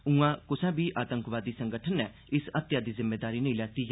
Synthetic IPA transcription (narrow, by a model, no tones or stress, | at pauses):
ũːãːkʊsɛ̃ːbiːʔaːt̪əŋkʋaːd̪iːsə̃ŋɡəʈʰənːɛː | ɪsət̪jaːd̪iːzɪmːeːd̪aːɾiːnəĩːlɛːt̪iː